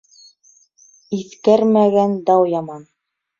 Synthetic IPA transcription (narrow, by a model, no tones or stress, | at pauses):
iθkæɾmæɡænd̪ɑwjɑmɑn